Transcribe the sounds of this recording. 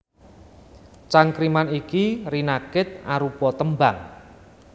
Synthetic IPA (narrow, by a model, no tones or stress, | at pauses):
t͡ʃaŋkɾimanikirinakɪt̪̚aɾupɔt̪əmba̰ŋ